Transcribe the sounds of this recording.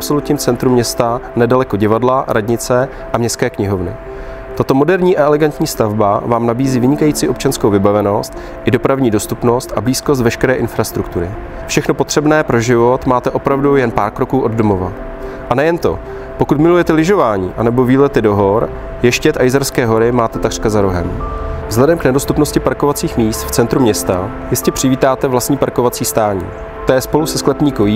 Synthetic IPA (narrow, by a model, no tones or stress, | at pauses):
pso̞lut̪ɲiːmt͡sɛnt̪ɾumɲɛst̪anɛdalɛko̞ɟɪvadlaɾʔadɲɪt͡sɛ | ʔamɲɛst̪kɛːkɲɪɦo̞vnɪ̰ | t̪at̪o̞mo̞dɛɾɲiːʔaʔɛlɛɡant̪ɲiːst̪avbavaːmnabiːziːvɪɲɪkajiːt͡siːʔo̞p̚t͡ʃanskowvɪbavɛno̞st̪ | ʔɪdo̞pɾavɲiːdo̞st̪upno̞st̪ʔabliːskos̬t̪vɛʃkɛɾɛːʔɪnfɾast̪ɾukt̪uɾɪ̰ | fʃɛxno̞po̞t̪r̝̥ɛbnɛːpɾo̞ʒɪvo̞t̪maːt̪ɛʔo̞pɾavdujɛnpaːɾkɾo̞kuːʔo̞ddomo̞va | ʔanɛjɛnt̪o̞̰ | pokut̪mɪlujɛt̪ɛlɪʒo̞vaːɲiːʔanɛbo̞viːlɛt̪ɪdo̞ɦo̞ɾ | jɛʃcɛt̪ʔajzaɾskɛːɦo̞ɾɪmaːt̪ɛt̪akr̥kazaɾoɦɛmvzɦlɛdɛmknɛdo̞st̪upno̞scɪpaɾko̞vat͡siːxmiːst̪ft͡sɛnt̪ɾumɲɛst̪a | jɪscɛpr̝̥ɪviːt̪aːt̪ɛvlastɲiːpaɾko̞vat͡siːst̪aːɲḭː | t̪ojɛspo̞lusɛsklɛpɲiːkojiː